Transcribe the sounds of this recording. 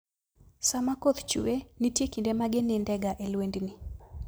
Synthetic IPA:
samakot̪t͡ʃṵwenɪtjekindemaɡɪnɪndɛɡaʔelwendnɪ

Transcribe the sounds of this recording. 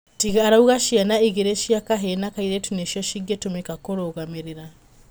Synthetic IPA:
tiɣaɾauɣaʃianaiɣeɾeʃiakaɦenakaiɾɛtuneʃiɔʃiɡetomekakoɾoɣameɾeɾa

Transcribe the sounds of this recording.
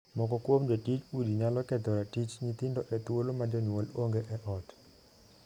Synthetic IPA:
mɔkɔkwomd͡ʒatit͡ʃudiɲalɔkɛd̪ɔɾatit͡ʃɲit̪ɪndɔʔɛt̪wolomadɔɲwɔloŋɡeʔɛʔɔt

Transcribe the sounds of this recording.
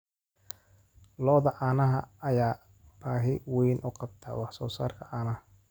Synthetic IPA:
lɔːðɐʔaːnɐɦɐɐjaː | b̥aːɦɪwɛjnʔʊqɑb̚t̪ʰa̰ːwɑħsɔːsa̰ːrkʰɐʔaːnɐhɐ

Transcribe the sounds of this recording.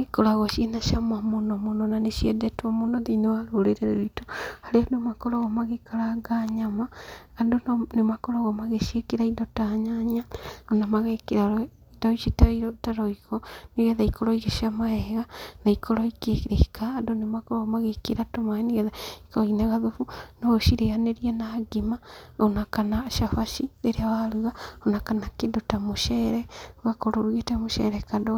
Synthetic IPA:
ekoɾaɣɔʃienaʃamamonɔmonɔnaneʃiɛdɛtwamonɔðinewaɾoɾeɾeɾeɾitohaɾeadomakɔɾɔɣɔmaɣekaɾaɡaɲamaːndonnemakɔɾɔɣɔmaɣeʃiekeɾaindɔtaɲaɲiaonamaɣekeɾa | dɔisitaɾotaɾɔiɣɔniɣɛðaikoɾɔiɣeʃiamaɛɣanaikoɾoikekɾeikʰaːdonemakoɾomaɣekeɾatomaeniɣɛðaikoinaɣaðofunoʃiɾeaneɾianaːɡimaonakanaʃafaʃiɾeɾeawaɾuɣaonakanakendotamoʃɛɾɛoɣakoɾoɾwetɛmoʃɛ̰ɾɛkando

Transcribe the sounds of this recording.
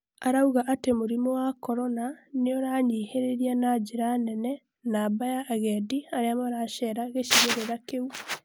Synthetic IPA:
aɾauɣaʔatemoɾimɔwakɔɾɔnaneɔɾaɲiːheɾeɾianad͡ʒiɾanɛnɛ | nabajaʔːɣɛdiaɾeamaɾaʃɛːɾaɣeʃiɣeɾeɾakeu

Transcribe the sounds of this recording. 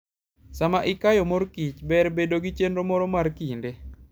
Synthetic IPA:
samaʔɪkajɔmoɾkit͡ʃbɛrbedoɡit͡ʃendɾomɔɾɔmarkinde

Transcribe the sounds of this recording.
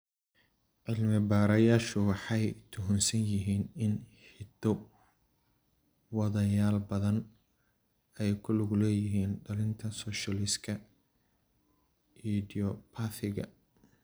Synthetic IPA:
ʕɪlmɪbaːɾɐjaːʃʊwɑħɑjt̪ʰʊɦʊnsɐnjɪɦiːnɪnħɪd̪ɔ | wɑðɐjaːlbɐðɐn | ɛjkʰʊlʊɣʊlɛːjɪɦiːnɖɐlɪnt̪ʰɐsɔːʃɐlɪskʰɐ | ʔidɪɔpʰaθɪɣɐ̰

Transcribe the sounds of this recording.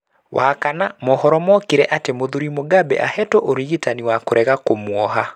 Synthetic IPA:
wʔakanamɔhɔɾɔmɔkeɾɛʔatemoðuɾimoɡabɛ̰ʔa̰hɛtɔʔoɾiɣitaniwakoɾɛɣakomwɔɦa

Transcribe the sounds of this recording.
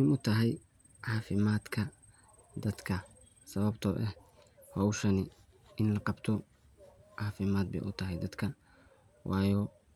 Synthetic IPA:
ɪmʊt̪ʰɐɦɛj | ʕɑːfɪmaːd̪kʰɐ | d̪ɐd̪kʰɐ | sɐβɐbt̪ʰɔʔɛh | wɐːʊʃɐnɪ | ɪnlɐqɑbt̪ʰɔ | ʕɑːfɪmaːd̪̚bɛ̰jʔʊt̪ʰɐɦɛjd̪ɐd̪kʰɐ | wʔɑːjɔː

